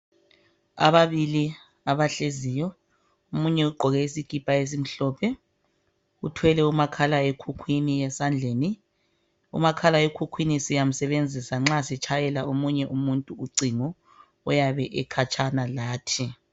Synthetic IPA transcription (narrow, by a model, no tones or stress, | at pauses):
a̰βaβili | aβaɬeziːjɔ | umuɲɛuɡ͡ǃʱɔɣɛisiɡ̥ʱipʼaes̬im̩ɬɔːpʰɛ | utʰwɛlɛumakʰalaekʰukʰwinijɛsand͡ɮʱeːni | ṵmakʰalaekʰukʰwinisijam̩sɛβend͡zʱisaŋ͡ǁasit͡ʃʰajɛlaomuɲɛʔumuntʼuuɡ͡ǀʱiŋɔ | ɔjaβɛʔɛkʰat͡ʃʼʰanalaːtʰi